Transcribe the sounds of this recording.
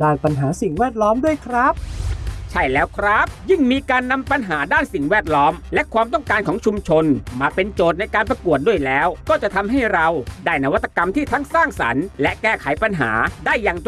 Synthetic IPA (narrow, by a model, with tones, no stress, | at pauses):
daː˥˩jpa˧nɦaː˩˦si˨˩ŋwɛː˥˩t̪̚lɔː˦˥mdu˥˩əjkʰɾa˦˥p̚t͡ɕʰa˥˩jlɛː˦˥wkʰɾa˦˥p̚jɯ˥˩ŋmiː˧kaː˧nːa˧mpa˧nɦaː˩˦daː˥˩nsi˨˩ŋwɛː˥˩t̪̚lɔː˦˥mlɛ˦˥ʔkʰwaː˧mt̪ɔ˥˩ŋkaː˧nkʰɔː˩˦ŋt͡ɕʰu˧mt͡ɕʰo˧nmaː˧pe˧nt͡ɕoː˨˩t̪̚na˧jkaː˧npɾa˧ku˨˩ət̪̚du˥˩əjlɛː˦˥wkɔː˥˩t͡ɕa˨˩t̪ʰa˧mɦa˥˩jɾa˧wdaː˥˩jna˧wa˦˥t̪ʰːḁ˧ka˧mt̪ʰiː˥˩t̪ʰa˦˥ŋsaː˥˩ŋsa̰˩˦nlɛ˦˥ʔkɛː˥˩kʰa˨˩˦jpa˧nɦa̰ː˩˦daː˥˩jːaː˨˩ŋ